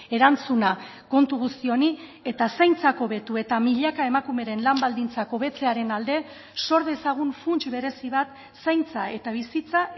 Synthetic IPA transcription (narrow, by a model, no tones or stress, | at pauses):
e̞ɾant͡suna | ko̞nt̪uɣust̪io̞ni | e̞t̪asajnt͡sako̞βe̞t̪ue̞t̪amiʎakae̞makume̞ɾe̞nlambald̪int͡sako̞βe̞t͡se̞aɾe̞nald̪e̞ | so̞ɾðe̞saɣ̞unfunt͡ʃβe̞ɾe̞siβ̞at̪ | sajnt͡sae̞t̪aβ̞isit͡sa